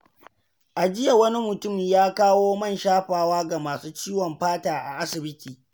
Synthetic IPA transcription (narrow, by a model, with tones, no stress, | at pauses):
ʔa˨d͡ʒɪ˦ja˨wɐ˦ni˦mʊ˨tʊ˦˨mjaː˦kaː˦woː˦mɐ˦˨nʃaː˦ɸaː˨waː˦ɡa˨maː˨suː˦t͡ʃiː˦wɔ˨mɸaː˦taː˨ʔa̰˨ʔa˦sɪ˨bɪ˦tʰiː˨